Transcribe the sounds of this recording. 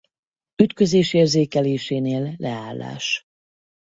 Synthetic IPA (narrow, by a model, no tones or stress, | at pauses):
yt̪kø̞zeːʃeːrzeːkɛleːʃeːneːlːɛaːlːa̰ːʃ